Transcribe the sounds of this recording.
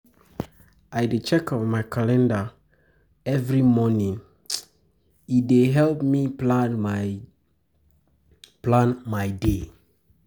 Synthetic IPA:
ʔajdet͡ʃɛkɔvmajkʰalɛ̃nda | ɛvɹimɔnĩŋ | ideɦɛlpmiplan | plãnmajde

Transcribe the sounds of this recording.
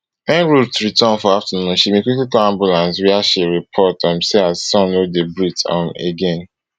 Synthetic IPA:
ɛ̃nɹutɹitʰɔ̃nfɔaftənũnʃimẽkwiklikɔãmbjulãns̬wiaʃiɹipʰɔtɔ̃mseazsɔ̃nodebɹitɔ̰̃meɡɛ̃n

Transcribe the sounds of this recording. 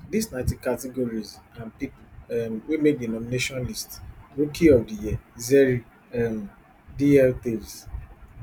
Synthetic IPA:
disnaɪtikatiɡoɾizãnpipʊɛmwimek̚denɔmineʃɔ̃nlistɾukʰiɔvdijɛzɛɾi | ɛm | diɛltez

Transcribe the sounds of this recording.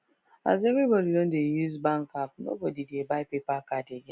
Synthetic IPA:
ʔa̰zemibɐɾiwɔndejuzbaŋkap̚no̰ɡodidebapepakadeɡa

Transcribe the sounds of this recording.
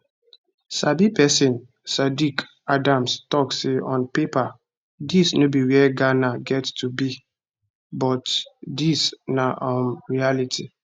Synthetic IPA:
sabipɛsɪ̃n | sadik | adãmstɔkseʔɔ̃npepa | disnobiɹiɛɡanaɡɛttʰubi | bɔtdisnaʔɔ̃nɹialitʰi

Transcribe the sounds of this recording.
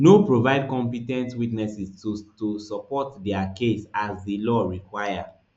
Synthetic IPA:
nopɹovaɪd̚kɔ̃mpitɛ̃ntwitnɛsistutusɔpɔtdɛakesazdilɔɹikwaɪa

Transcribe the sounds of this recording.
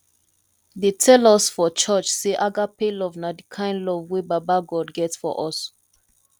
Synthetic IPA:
detʰɛlɔsfɔt͡ʃɔt͡ʃseʔaɡapelɔvnadikʰãɪ̃ndlɔvwebabaɡɔdɡɛtsfɔ̰ʔɔs

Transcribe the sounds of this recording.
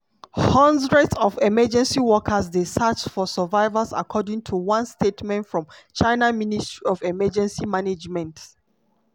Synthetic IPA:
hãndɹɛdsɔvɛmɛd͡ʒɛ̃nsiwɔkʰəsdesat͡ʃfɔsəvaɪvəsa̰kʰɔdĩŋtʰuwãnstetmɛ̃ntfɹɔ̃mt͡ʃaɪnaministɹiɔvɛmɛd͡ʒɛ̃nsimaned͡ʒmɛ̃nt

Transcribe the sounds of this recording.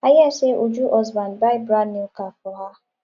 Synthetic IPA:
ajaseʔud͡ʒuʔɔzbanbaɪbɾanikafʊɦa

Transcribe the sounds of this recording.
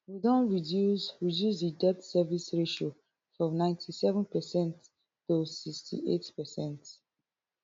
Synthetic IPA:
widɔ̃nɹiduɹidjusdidɛtsɛvisɹeʃo | fɹɔ̃nãɪ̃ntʰisɛvə̃npɛsɛ̃nt | tosikstʰḭʔetpɛsɛ̃nt

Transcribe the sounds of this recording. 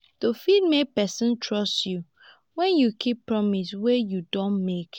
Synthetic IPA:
tofid̚mepɛsɔ̃ntʰɹɔstju | wɛ̃njukʰipːɹɔmiswejudõnmek

